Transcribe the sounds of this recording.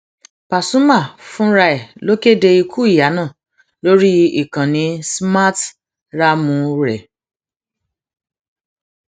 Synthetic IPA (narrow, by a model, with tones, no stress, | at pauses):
pa˨sũ˦ma˦˨fũ˦ɾa˧e˨lo˦ke˦de˧i˧kʰu˦i˦˨ja˨˦nãː˦˨ | lo˦ɾi˦i˦˨kã˨nĩ˨˦sma˦t | ɾa˦mũ˧ɾɛ˨